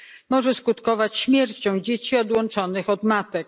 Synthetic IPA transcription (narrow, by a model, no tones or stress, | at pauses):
mɔʐɛskut̪kɔvat͡ɕɕmʲjɛɾt͡ɕɔ̃w̃d͡ʑet͡ɕiɔd̪wɔnt͡ʂɔnɘxɔd̪mat̪ɛk̚